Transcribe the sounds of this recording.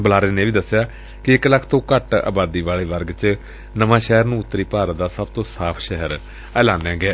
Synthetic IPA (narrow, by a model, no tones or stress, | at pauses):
bəlaːɾeːnẽːʋiːd̪əsːejaː | kɪɪkləkʰt̪õːkəʈa̰ːbaːd̪iːʋaːleːʋəɾɡt͡ʃ | nəʋãːʃɛɦəɾnũːʊt̪ːəɾiːpaːɾd̪aːsəb̚t̪õːsaːpʰʃɛɦəɾ | ɛːlaːnɛ̃ːɡɛː